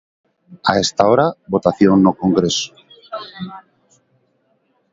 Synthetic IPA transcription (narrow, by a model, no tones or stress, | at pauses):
aest̪aoɾaβo̞t̪aθjo̞nːoko̞ŋɡɾeso̥